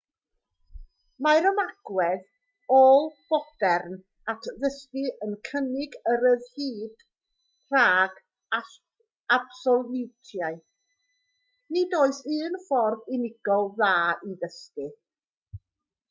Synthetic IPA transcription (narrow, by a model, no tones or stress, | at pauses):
majɾəmaɡ̥wɛð | oːlˠb̥ɔd̥ɛrn | atʰðəskɨʔənkʰənɪɡəɾəðhiːd̥ | r̥aːɡ̥ | a | ab̥sɔlˠɪwtʰjaɨ | nidoːɨsɨːnfɔrðɪnɪɡ̥ɔlˠðaːiðəskɨ